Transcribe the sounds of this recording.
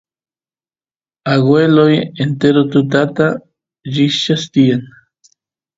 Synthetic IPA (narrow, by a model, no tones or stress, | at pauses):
aɣwelojent̪eɾot̪ut̪̬at̪a | ʒiʃast̪ian